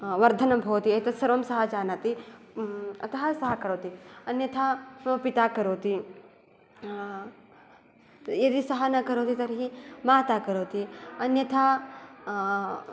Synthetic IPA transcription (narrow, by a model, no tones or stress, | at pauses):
ʋɐɾd̪ʱɐnɐmbʱoːt̪iɐt̪ɐsɐɾʋɐmsɐɦɐd͡ʒaːnat̪i | ɐt̪ɐɦɐsɐɦɐkɐɾoːt̪iɐnjɐt̪ʰapit̪aːkɐɾoːt̪i | jɐd̪isɐɦɐnɐkɐɾoːt̪it̪ɐɾɦimaːt̪akɐɾoːt̪iɐnjɐt̪ʰa